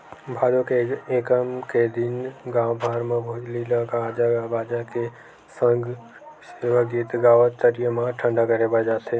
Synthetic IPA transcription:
bʱad̪okeekəmked̪inɡãbʱaɾmãbʱod͡ʒlilaɡad͡ʒabad͡ʒake | səŋɡ | seʋəɡit̪ɡaʋət̪ːəɾijəmãʈʰəɳɖakəɾebad͡ʒat̪ʰe

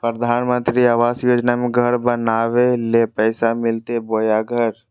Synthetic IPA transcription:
pɾəd̪ʱaːnmə̃nt̪ɾiaːʋaːsjoːd͡ʒnamẽɡʱɐɽbɐnaːʋelepɛːsamɪlt̪eboːjaɡʱəɾ

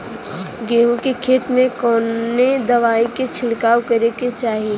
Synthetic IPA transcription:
ɡeːɦũkekʰeːt̪mẽkɔːned̪ɐʋaːiket͡ʃʰɪlkaːwkɐɾeket͡ʃaːɦi

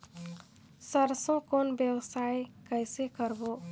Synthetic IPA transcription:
səɾsõkonbjəwsajkəjsekəɾbo

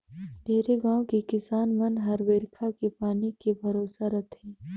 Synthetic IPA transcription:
ɖʱeːɾeɡãːõkekɪsaːnmɐnɦɐɾʋeːɾkʰakepaːnikebʱɐɾoːsaɾɐt̪ʰeː

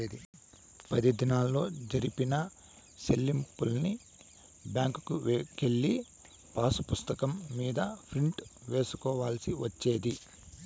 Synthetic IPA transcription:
eːd̪i | pɐd̪id̪inaːlːo̞ːd͡ʒɐɾipinɐ | selːimpulni | bjaːŋkukuke̞ɭːi | paːsu̥pust̪ɐkɐmːiːd̪ɐpʰɾiɳʈʋe̞ːsu̥kɔːʋaːlsiʋɐt͡ʃːe̞ːd̪i

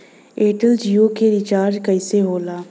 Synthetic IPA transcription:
eːʈəld͡ʒiːokeɾɪt͡ʃaːɾd͡ʒkɐɪseɦoːlaː

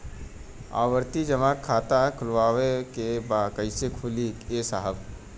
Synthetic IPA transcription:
a̰ːʋəɾt̪id͡ʒɐmaːkʰːaːt̪akʰʊlʋaːʋekebaːkɐisekʰʊlikeːsaɦəb

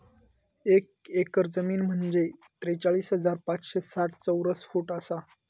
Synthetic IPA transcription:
ekekəɾd͡zəmiːnm̤əɳd͡zet̪ɾet͡saɭiːsɦəd͡zaɾpat͡sɕesaʈʰt͡səwɾəsfuːʈəsa

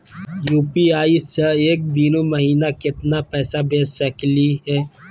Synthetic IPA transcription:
juːpiaːiseeːk̚d̪iːnoməɦiːnakɪt̪napɛːsabeːsəkliɦɛː

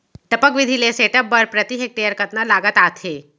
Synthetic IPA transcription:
ʈəpəkʋid̪ʱileseʈəpbəɾpɾət̪iɦek̚ʈejəɾkət̪nalaɡət̪at̪ʰe

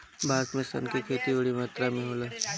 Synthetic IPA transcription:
bʱaːsmẽsə̰nkekʰeːt̪ibəɽimaːt̪ɾamẽɦoːla

